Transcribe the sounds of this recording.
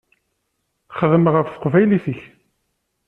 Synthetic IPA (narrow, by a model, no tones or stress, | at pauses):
χəðəmʁəfθə̥qvæjliθəç